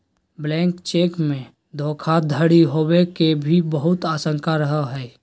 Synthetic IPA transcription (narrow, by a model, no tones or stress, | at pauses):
blɛ̃ːŋkt͡ʃeːkmẽ | d̪ʱoːkʰad̪ʱəɽiɦobekebʱibəɦʊt̪aːsə̃ŋkaɾəɦəɦɛː